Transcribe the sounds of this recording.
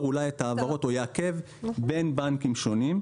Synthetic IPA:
ulajetaːvaʁo̞to̞jeake̞v | be̞nbankimʃo̞nim

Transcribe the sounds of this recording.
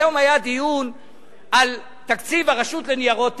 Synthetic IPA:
o̞majad̪ijun | ʔal | t̪akt͡sivaʁaʃut̪lenijaʁot̪

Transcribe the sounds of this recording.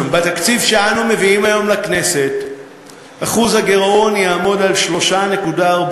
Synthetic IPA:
mbat̪akt͡sivʃe̞anume̞viimajo̞mlakne̞se̞t | aχuzhaɡe̞ʁo̞njaːmo̞dalʃlo̞ʃane̞kudaːʁb

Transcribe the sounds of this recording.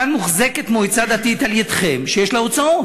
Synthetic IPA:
anmuχzeke̞t̪mojt͡sad̪at̪it̪aljad̪χemʃejeʃlaot͡sao

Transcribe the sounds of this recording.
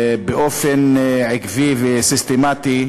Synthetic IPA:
beʔofenʕikvivesist̪emat̪i

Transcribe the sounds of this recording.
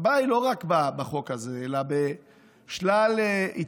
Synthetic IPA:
bailo̞ʁakbabaχo̞kazeelabe | ʃlalei

